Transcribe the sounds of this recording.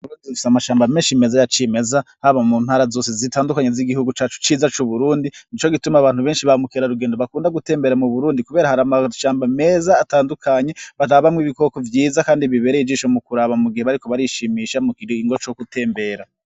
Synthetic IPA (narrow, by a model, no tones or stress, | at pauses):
uzifi̥samaʃaːmbameːnʃime̞zajat͡ʃime̞zahaβamuːn̥haːɾazo̞ːsezitaːndukaɲeziɡihuɡut͡ʃaːt͡ʃu̥t͡ʃiːzat͡ʃuβuɾuːndinit͡ʃo̞ɡitumaβaːnhuβe̞ːnʃiβamukiɾaɾuɡeːndo̞βakuːndaɡute̞ːmbe̞ɾamuβuɾuːndikuβe̞ːɾahaɾamaʃaːmbame̞zaːtaːndukʰaɲe̞βaɾaβamŋiβiko̞kovjiːzakaːndiβiβe̞ːɾeid͡ʒiːʃo̞mukuɾaβamuɡiheβaɾiko̞βaɾiʃimiːʃamukiɾiŋɡot͡ʃokutʰe̞ːmbe̞ɾa